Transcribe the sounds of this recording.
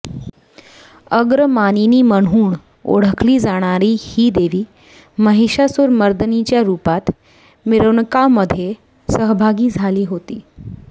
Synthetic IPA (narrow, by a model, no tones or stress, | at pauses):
əɡɾəmaniniːməɳ̤uːɳ | o̰ɽ̤əkʰliːd͡zaɽ̃aɾiːhiːd̪eʋiː | məɦiɕasuɾməɾd̪ənit͡ɕjaɾupat̪ | miɾəʋɳkaməd̪ʱje | səɦbʱaɡiːd͡zʱaliːɦot̪iː